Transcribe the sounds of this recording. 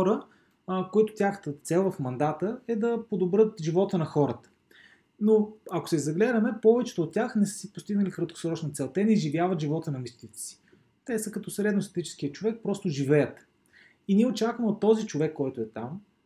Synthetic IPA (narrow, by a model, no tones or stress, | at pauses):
ɔɾə | koit̪ʊ̥t̪ʲjaxə̥t̪ət̪sɛlˠvɐfmɐnd̪at̪əɛd̪ɐpod̪obɾɤt̪ʒivɔt̪ənɐxɔɾət̪ə̥ | noɐko̥sɛzɐɡlɛd̪ɐmɛpɔvɛt͡ʃɛ̥t̪oːt̪̚ːʲjaxnɛsə̥sipost̪iɡnəlikɾət̪̚ko̥sɾɔt͡ʃnɐt̪sɛlˠt̪ɛnɛʒivjavət̪ʒivɔt̪ənɐmist̪k̪it̪ɛ̥si̥ | t̪ɛsəkɐt̪ɔsɾɛd̪nʊst̪ɐt̪it͡ʃɛ̥skijət͡ʃovɛk̚pɾɔst̪ʊʒivɛjət̪ | iniɛot͡ʃakvəmot̪ːɔzit͡ʃovɛkːɔjt̪ʊɛt̪am